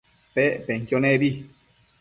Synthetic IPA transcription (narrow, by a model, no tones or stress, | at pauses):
pɛpɛŋ̩kjɔnɛbi